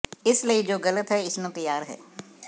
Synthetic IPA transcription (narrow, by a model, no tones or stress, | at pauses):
ɪsləid͡ʒoːɣɐlət̪ɦɛɪsnõt̪ɐjːaːɾɦɛ̰ː